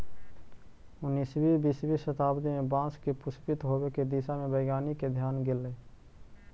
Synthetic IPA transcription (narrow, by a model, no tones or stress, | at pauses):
ʊnːisbibisbisət̪aːbd̪imẽbãːskipʊspɪt̪ɦoːbeked̪isamẽbəɪɡaːniked̪ʱjaːnɡɪlːeː